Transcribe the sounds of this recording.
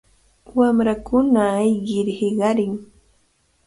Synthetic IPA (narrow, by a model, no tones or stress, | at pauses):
wamɾakʊnaːjɢɪɾhɪɢɑɾɪŋ